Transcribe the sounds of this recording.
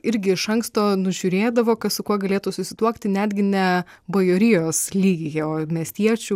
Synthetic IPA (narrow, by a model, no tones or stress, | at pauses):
ɪɾʲɡʲɪɪʃɐŋkst̪oːnʊʒʲʊɾʲeːd̪ɐʋoːkɐt̪sʊkuɔɡɐlʲeːt̪usʊsʲɪt̪uɔkt̪ʲɪnʲæːd̪ʲɡʲɪnʲɛ | bojoːɾʲɪjoːslʲiːɡʲɪjoːmʲiɛsʲt̪ʲiɛt͡ʃʲu